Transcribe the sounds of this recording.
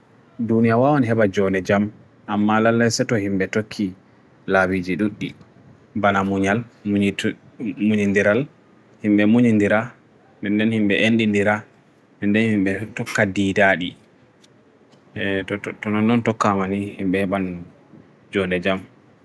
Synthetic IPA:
dunijawawɔnɦɛɓad͡ʒɔnɛd͡ʒam | ʔamːalalːɛsɛtɔhimɓɛtokʰːi | lawid͡ʒiɗuɗːi | banamuɲal | muɲindiɾal | himɓɛmuɲindiɾa | nɛndɛnhimɓɛʔendindiɾa | nɛndɛnhimɓɛtɔkːadiːdaɗi | tɔnɔnːɔntɔkːamanihimɓɛhɛɓan | d͡ʒɔndɛd͡ʒam

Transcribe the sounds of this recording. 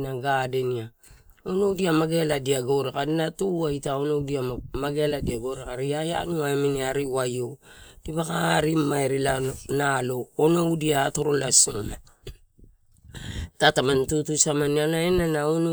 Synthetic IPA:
naɡade̞nia | ono̞wdiamaɡe̞ladiaɡo̞ɾekadinatuaitaonowdiamaɡe̞ladiaɡo̞ɾekaɾiaja̰nuaeminiaɾiwajod̥iβakaːɾimaeɾilanalo̞ːnoudiaːto̞ɾo̞lasoma | tatamantutusamanianaenanaono

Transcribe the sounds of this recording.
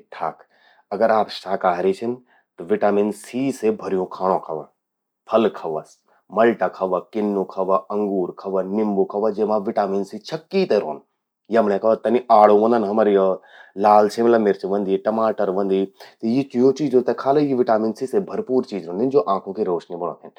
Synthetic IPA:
ʈʰa̰ːk | ɐɡəɾaːpʃaːkaːɦɾit͡ʃʰin | t̪ɐʋɪʈaːminsiːsebʱɐɾijũkʰaːɽ̃õːkʰɐʋɐ̰ | pʰɐlkʰɐʋɐs | mɐlʈakʰɐʋɐkɪnːukʰɐʋɐɐ̃ŋɡuːɾkʰɐʋɐnnɪmbokʰɐʋɐd͡ʒeːmãʋɪʈaːminsit͡ʃʰɐkːit̪eɾo̰ːn | jiɐmnẽkɐʋt̪ːɐniaːɽõʋɐ̃nd̪ɐnɦɐməɾjo | laːlt͡ʃʰemlɐmɪɾt͡ʃiʋɐ̃nd̪iʈɐmaːʈəɾʋɐ̃nd̪it̪ɐjit͡ʃijõt͡ʃiːd͡ʒõt̪ekʰaːlɐjiʋɪʈaːminsisebʱɐɾpuːɾt͡ʃiːd͡ʒɾõːnd̪ind͡ʒoːʔãːkʰõkeɾoːʃnebɐñõ̰ːt̪ʰɪn

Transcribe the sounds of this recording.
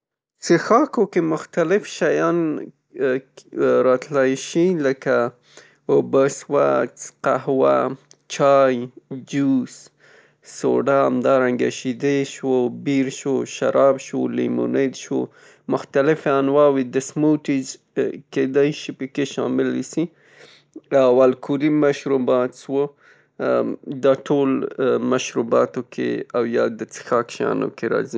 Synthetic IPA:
sexɑkokemʊxt̪alɪfʃajɑn | ɾɑt̪lajʃiləka | obəswa̰t͡sqahwa̰ | t͡ʃɑjd͡ʒus | so̰ɖaamd̪ɑɾaŋɡa̰ʃid̪eʃwobiɾʃoʃa̰ɾʔɑbʃwo̰limṵned̪ʃwo̰ | mʊxt̪alɪfanwɑwid̪əsmoʈiz | ked̪ajʃipəkeʃɑ̰mɪlːisi | awalkʰuɾimaʃɾubɑt̪ʃwo | d̪ɑʈʰolmaʃɾubɑt̪okʰḛawjɑd̪ət͡sə̥xɑkʃɑ̰no̰keɾɑ̰zi

